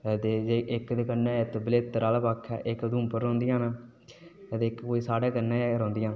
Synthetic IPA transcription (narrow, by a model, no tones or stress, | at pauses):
t̪eːd͡ʒeːʔɪkd̪eːkənːãːt̪ːbəleːt̪ːəɾaːlpaːkʰɛ̰ːʔɪkd̪ũːmpəɾːõːnd̪ɪjãːnaː | t̪eːkkoːiːsaːɽaːkənːɛ̃ːɾõːnd̪ɪjãː